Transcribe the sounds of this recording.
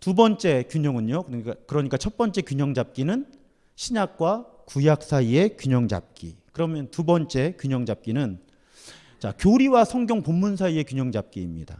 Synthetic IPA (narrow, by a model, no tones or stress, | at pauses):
tubʌnt͡ɕ͈e̞kjuɲʌŋɯɲokk͈akɯɾʌɲik͈at͡ɕʰʌt̚p͈ʌnt͡ɕ͈e̞kjuɲʌŋd͡ʑap̚k͈inɯn | ɕʰiɲak̚k͈wa | kujak̚s͈ʰaie̞kjuɲʌŋd͡ʑa̰p̚k͈ḭkɯɾʌmjʌntubʌnt͡ɕ͈e̞kjuɲʌŋd͡ʑap̚k͈inɯn | t͡ɕakjoɾiwasʰʌŋɡʲjoŋpomːunsʰaie̞kjuɲʌŋd͡ʑap̚k͈iːmɲida̰